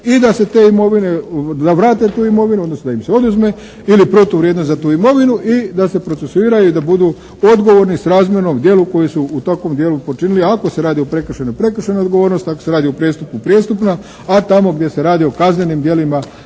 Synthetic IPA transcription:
id̪ase̞t̪e̞ːimo̞ʋine̞d̪aʋɾaːt̪e̞t̪uːimo̞ʋinuo̞d̪nosnod̪aimseo̞d̪uzme̞ | ilipɾo̞t̪uʋɾjed̪nost̪zat̪uːimo̞ʋinuʔid̪ase̞pɾosesuiːɾajud̪abud̪uː | o̞d̪ɡo̞ʋo̞ɾnisɾaːzmjenomd̪je̞ːluko̞jisuːt̪akʋo̞md̪jeːlupo̞t͡ʃiniliako̞se̞ɾaːd̪iopɾe̞kr̩ʃenopɾe̞kr̩ʃenaod̪ɡo̞ʋoːɾnost̪akose̞ɾaːd̪iopɾjest̪upkupɾjest̪upna | at̪amo̞ɡd̪jese̞ɾaːd̪io̞kazne̞nimd̪je̞lima

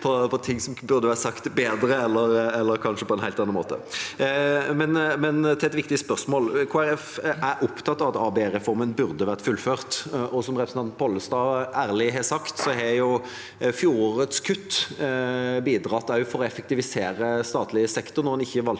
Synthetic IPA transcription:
pʰɔpʰɔt̪ʰɪŋsɔmbʉɾd̪əʋæːʁsɑkt̪beːd̪ɾəɛlːəɾɛlːəɾkʰɑnʂəpʰɔɛnhæɪlt̪ɑnɑnmo̰ːt̪ə̰ | mɛnmɛnt̪ʰɪlɛt̪ʋɪkt̪ɪəspœʁsmoːlkʰuːæɾɛfʔæɾʔʊpt̪ʰɑt̪ːɑʋɑt̪ɑːbeɾɛfɔɾmənbʉɾd̪əʋæʁt̪fʉlføːʁt̪ʔɔsɔmɾɛpɾsn̩ʰɑn̚pʰɔlːəst̪ɑːæːʁlɪɦɛsɑkt̪sɔɦɛɾjʊ | fjuːʁoɾət̪skʰʉt̪ː | biːd̪ɾɑt̪ːɑʊfɔɾɔɛfɛk̚t̪ɪʋɪseːɾəst̪ɑːt̪lɪəsɛkt̪ʊɾnɔɾɑnɪçːəʋɑl

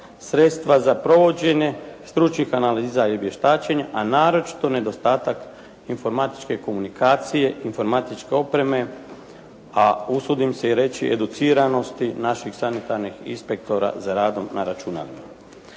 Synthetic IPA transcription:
sɾe̞t̪st̪ʋazapɾo̞ʋo̞d͡ʑe̞ɲe̞st̪ɾut͡ʃnixanaliːzaiobje̞ʃt̪aːt͡ɕe̞ɲeʔanaːɾo̞t͡ʃi̥t̪o̞ne̞d̪o̞st̪aːt̪ak | info̞ɾmat̪i̥t͡ʃke̞ko̞munikaːt̪sije̞ʔinfo̞ɾmat̪it͡ʃke̞o̞pɾe̞me̞ | ausud̪imse̞iɾe̞t͡ɕḭʔed̪ut̪siːɾano̞st̪inaʃixsanit̪aɾnixḭnspek̚t̪o̞ɾa̰zaɾaːd̪o̞mnaɾat͡ʃuna̰lima

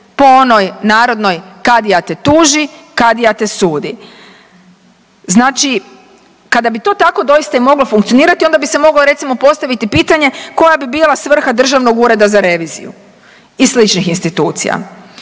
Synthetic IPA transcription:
po̞ono̞jnaːɾo̞d̪no̞jkad̪ijat̪e̞t̪uːʒikad̪ijat̪e̞suːd̪i | znaːt͡ʃi | kad̪abit̪o̞ːt̪ako̞d̪o̞jist̪aimo̞ɡlo̞fuŋkt̪sioniːɾat̪io̞nd̪abise̞mo̞ɡloɾe̞t̪simo̞po̞st̪aʋit̪ipiːt̪aɲe̞ko̞jabibiːlˠasʋr̩xad̪r̩ʒaʋno̞ɡuːɾe̞d̪azaɾe̞ʋiːzḭjṵ | isslit͡ʃnixinst̪it̪uːt̪sḭja̰

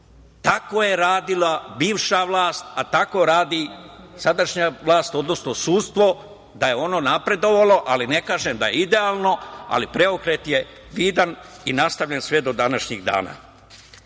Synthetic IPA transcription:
t̪akoːje̞ɾaːd̪ilabiːʋʃaʋlˠaːst̪at̪ako̞ɾaːd̪i | sad̪aʃɲaʋlˠaːst̪o̞d̪no̞snosuːt̪st̪ʋo̞ | d̪aje̞o̞no̞napɾe̞d̪o̞ʋalo̞ʔaline̞kaːʒemd̪ajeid̪e̞aːlˠno̞a̰lipɾe̞o̞kɾeːt̪je̞ | ʋiːd̪aninast̪aʋʎʲensʋed̪o̞d̪anaʃɲiɡd̪a̰ːna̰

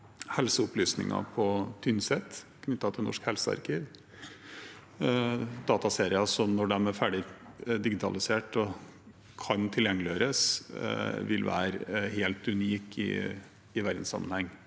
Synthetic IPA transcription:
hɛlsəʊplyːsnɪ̰ŋɑ̰pʰɔt̪ʰʏnsɛt̪kʰnʏt̪ːɑt̪ʰɪlnɔ̰ʂkhɛlsəɑ̰ɾkiːʋ | d̪ɑːt̪ɑseːɾɪɑsɔnɔɖɛmæfæɖɪd̪ɪɡɪt̪ʰɑ̰lɪseːʈɔ | kʰɑnt̪ʰɪljɛŋːəlɪøːɾəs | ʋɪlʋæ̰ːɾɦeːlt̪ʉniːkɪ̰ː | ʋæɾd̪n̩sɑ̰mːənhɛŋː

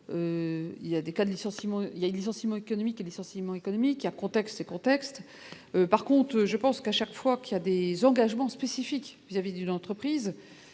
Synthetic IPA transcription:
øḭljad̪ekad̪əlisɑ̃simɑ̃iljaelisɑ̃simɑ̃ekɔnɔmikelisɑ̃simɑ̃ekɔnɔmikːjakɔ̃t̪ɛkst̪ekɔ̃t̪ɛkst̪ | øpaʁkɔ̃t̪χøʒəpɑ̃skaʃakfwakʲiljad̪ezɑ̃ɡaʒmɑ̃spesifikvizavid̪ynɑ̃t̪χəpχiz

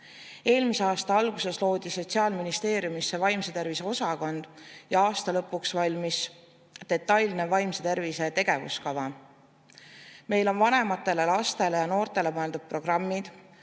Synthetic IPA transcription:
e̞ːlmiseɑːst̪ɑɑlɡ̥use̞slo̞ːd̪̥iso̞t̪ʲsiɑːlminist̪e̞ːɾjumisːe̞vɑjmset̪e̞rvise̞o̞sɑko̞nd̪̥jɑɑːst̪ɑlɤ̞pːˑuksvɑlʲmis | d̪e̞t̪ːˑɑjlnevɑjmset̪e̞rvise̞t̪e̞ɡ̥e̞vṵskɑvɑ | me̞jlo̞nvɑne̞mɑt̪ːˑe̞le̞lɑst̪e̞le̞jɑno̞ːrt̪ˑe̞le̞mɤe̞ld̪ud̥̪̚pro̞ɡ̥rɑmːid̪̥

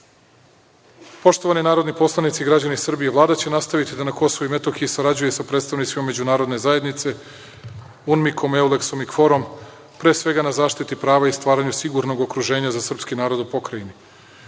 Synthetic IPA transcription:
po̞ʃt̪oʋaninaːɾo̞d̪nipo̞slˠanit̪siɡɾad͡ʑanisr̩bijeʋlˠaːd̪at͡ɕe̞nast̪aʋit̪id̪anako̞soʋuime̞t̪o̞xijesaɾad͡ʑujesapɾe̞t̪st̪aʋnit̪simame̞d͡ʑunaːɾo̞d̪ne̞zaje̞d̪nit̪se̞ | unmikʰo̞me̞ule̞kso̞mikfo̞ɾo̞m | pɾeːsʋe̞ɡanazaːʃt̪it̪ipɾaːʋaist̪ʋaːɾaɲusiɡuɾno̞ɡo̞kɾuʒe̞ːɲazasr̩pskinaːɾo̞d̪upo̞kɾaini

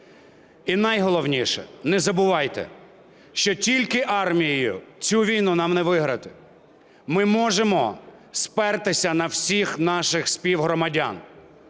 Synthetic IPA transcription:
inɑjɦɔlˠɔwnʲiʃɛ̰nɛzɐbʊʋɑjt̪ɛ̰ | ʃt͡ʃɔtʲilʲkɪʔɑrmʲijijʊ̰t͡sʲuʋʲijnʊnɑmnɛʋɪɦɾɐt̪ɪ̥ | mɪmɔʒemɔ | spɛrt̪ɪsʲɐnɐwsʲixnɑʃɪxspʲiwɦɾɔmɐdʲa̰n

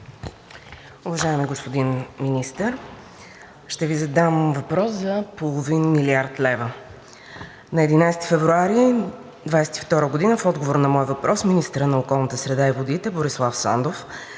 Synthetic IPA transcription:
ʊvɐʒaɛmiɡospod̪inminist̪əɾ | ʃt̪ɛvizɐd̪amvɐpɾɔszɐpolˠovinmiliaɾt̪lɛvə | nɐɛd̪inajsɛ̥t̪i̥fɛvɾuaɾi | d̪vajsɛ̥t̪ift̪ɔɾəɡod̪inəfɔd̪ɡovoɾnɐmɔjvɐpɾʔɔsminist̪əɾənɐokɔlˠnət̪əsɾɛd̪aivod̪it̪ɛboɾislˠafsand̪of

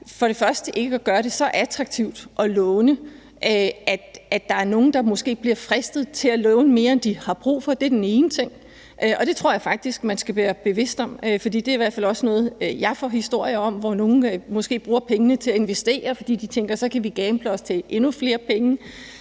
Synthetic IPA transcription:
fɒɾ̥e̝fɶɐsd̥əʔe̝ɡ̥əæɡ̥ɶːɐɾ̥e̝sɒ̽ʔæt͡sʰʁɑ̈ɡ̥̚t͡sʰiʊ̰d̥ʔɒ̽lɔːʊnə | ʔøæ̥æd̥ɑ̈æɐno̝ːn̩d̥ɑ̈mɔ̽sɡ̥e̝̰ːb̥liɐfʁɛsd̥ð̞̩ˠt͡sʰe̝lælɔːʊnəme̝ːɐend̥ihɑ̈b̥ʁṵːfɒ̽d̥e̝æɐd̥ene̝ːnət͡sʰe̝ŋ̰ | ʔøʔɒ̽d̥e̝t͡sʰʁo̝ɐ̰jɑ̈ɪfɑ̈ɡ̥̚d̥isɡ̥mænsɡ̥æʋæːɐb̥e̝ʋe̝sd̥ɒ̽m̰øfɒ̽d̥ḭːd̥e̝ɐiʋæɐ̥fæl̰ɒ̽snɔ̽ːð̩ˠjɑ̈ɪfɒ̰hisd̥o̝ɐ̰jɐɒ̽m̰ʋɒno̝ːn̩mɔ̽sɡ̥e̝̰ːb̥ʁuːɐpʰeŋənət͡sʰe̝læe̝nʋesd̥e̝̰ːɐfɒ̽d̥ḭːd̥it͡sʰeŋɡ̥ɐsɒ̽kʰæʋiɡ̥ɛːmb̥ləɒ̽st͡sʰe̝ʔe̝nufle̝ːɐpʰeŋə

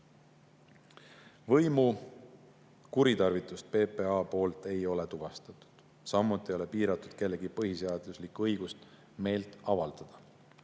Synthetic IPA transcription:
vɤjmu | kuɾit̪ɑrvit̪ːˑust̪̚pe̞ːpe̞ɑːpo̞ːlt̪e̞jo̞le̞t̪uv̥ɑst̪ɑt̪u̥d̪̥ | sɑmːut̪ːˑio̞le̞piːɾɑt̪ːˑud̪̥ke̞lːe̞ɡipɤhiseɑd̪̥luslikːuɤjɡ̥ust̪ | me̞ːlt̪ˑɑvɑld̪̥ɑd̪̥ɑ

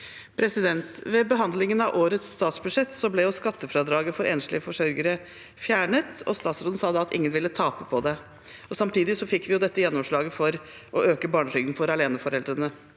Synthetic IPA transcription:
pʰɾɛsɪd̪ɛnt̪ʋɛbəɦɑnd̪lɪŋənɑʋʔoːɾət̪sːt̪ɑːt̪sbʉʂɛt̪ːsɔblɛjʊskɑt̪ːəfɾɑd̪ɾɑːɡəfɔɾʔḛːnʂlɪəfɔʂœɾɡəɾə | fjæːɳət̪ɔ̰st̪ɑːt̪sɾoːd̪n̩sɑːd̪ɑɑt̪ɪ̰ŋːənʋɪlːət̪ʰɑːpəpʰɔd̪ɛ | ɔsɑmt̪ʰiːd̪ɪsɔfɪkːʋɪjʊd̪ɛt̪ːəjɛnːɔmʂɭɑːɡəfɔɾʔɔʔøːkəbɑːɳəʂʏɡd̪n̩fɔɾɑleːnəfɔɾɛld̪ɾənə

